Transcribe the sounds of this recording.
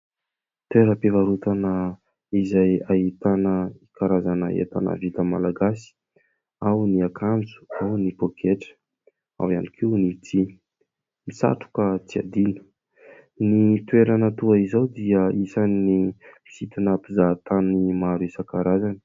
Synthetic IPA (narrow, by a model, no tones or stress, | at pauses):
t̪weɾəpevaɾut̪anə | izajaɦit̪anəikaɾazanə̰ḛt̪a̰nə̰vit̪əmalaɡasi̥ | awniakʰand͡zu̥awnipokʰeʈ͡ʂə̥ | a̰wa̰nikʰiunit͡si | misa̰ʈ͡ʂu̥kət͡sia̰d̪inə̥ | nit̪weɾanət̪uaizawd̪iəisannimisit̪anapizat̪animaɾuesakaɾazanə̥